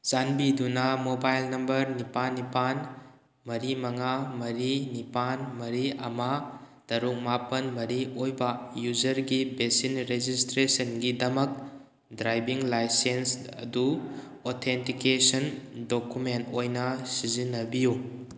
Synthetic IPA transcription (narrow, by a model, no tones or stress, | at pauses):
sanbidunɐmobajlnɐmbɐɾnipanːipan | mɐɾimɐŋamɐɾinipanmɐɾiɐmɐ | tɐɾuk̚mapɐnmɐɾiʔojbɐjuzɐɾɡibesinɾezistɾesɐnɡidɐmɐk̚ | dɾajbiŋlajsensɐ̰du | otʰentikesɐndokumentojnɐsizinːɐbiju